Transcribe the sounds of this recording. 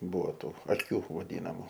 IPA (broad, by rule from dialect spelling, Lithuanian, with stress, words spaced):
ˈbuːʋoː ˈtuː ɐˈkʲuː ʋɐˈdʲiːnɐmʊ